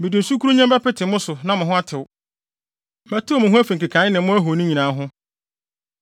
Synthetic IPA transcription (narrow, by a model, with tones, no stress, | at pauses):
mɪ̃˨dĩ˨n̩˨su˦kʰu˦ɾu˦ɲã˦m˦ba˦pɪ˦tʰɪ˨mʊ̃˦sʊ˨nã˦mʊ̃˨ɦʊ̃˦a˦tʰɪ˨wʊ˦ | mæ˨tu˦o˦mʊ̃˨ɦʊ̃˦æ˦fĩ˨ŋ̩˨ki˨kʰã˨˦ɪ˦nɪ̃˨mʊ̃˦æ˦ɦo˨nʊ̃˦ɲĩ˨nãː˨˦ɦʊ̃˦